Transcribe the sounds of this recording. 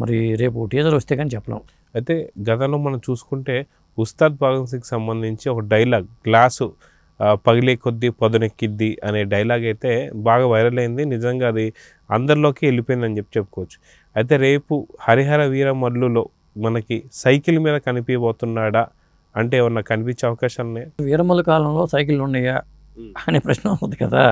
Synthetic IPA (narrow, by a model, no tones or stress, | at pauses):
mɐ̰ɾiɾe̞ːpuʈiːd͡ʒɐɾoɐst̪ekanit͡ʃɛpːɐlɐ̰ːm | ɐjt̪e̞ːɡɐt̪ɐmlo̞ːmɐnɐmt͡ʃuːsu̥kuɳʈe̞ː | ust̪aːd̪̚bʱaːɡɐŋs̬ɐnki̥sɐmbɐnd̪ʱiɲt͡ʃiɔkɐɖɐjlaːɡ̚ɡlaːsu | pɐɡileːkod̪ːipɐd̪unekːid̪ːiʔɐne̞ːɖɐjɐlaːɡɐjt̪e̞ːbaːɡaːʋɐjɾɐlɐjind̪inid͡ʒɐŋɡaːɐd̪i | ɐnd̪ɐɾlo̞ːkiːelipojind̪ɐnd͡ʒepːi̥t͡ʃepːu̥kɔʋːɐt͡ʃːu̥ | ɐjt̪̬e̞ːɾe̞ːpuhɐɾiɦɐɾɐʋiːɾɐmɐɾluloː | mɐnɐkisɐjkilmiːd̪ɐkɐnipijɐbɔːt̪unːaːɽa | ɐɳʈe̞ːʋɐnːɐkːɐnipiɲt͡ʃːeɐʋɐkaːʃaːlɐneːʋiːɾɐmɐlukaːlɐmlo̞ːsɐjkiluɳɖɐja | ɐneːpɾɐʃnɐmund̪ikɐd̪a̰ː